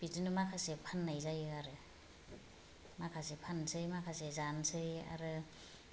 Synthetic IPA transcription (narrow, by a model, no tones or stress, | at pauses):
b̥itɯnɯmakʰasepʰanːajzajɯaɾɯ | makʰasepʰansɯjmakʰasezansɯja̰ɾɯ